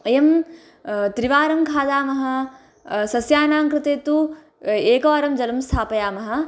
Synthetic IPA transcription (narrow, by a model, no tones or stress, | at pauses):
ɐjɐm | t̪ɾiʋaːɾɐmkʰaːd̪aːmɐɦɐ̆ | sɐsjaːnaːŋkɾɪt̪eːt̪u | eːkɐːɾɐmd͡ʒɐlɐmst̪ʰaːpɐjaːmɐɦɐ̆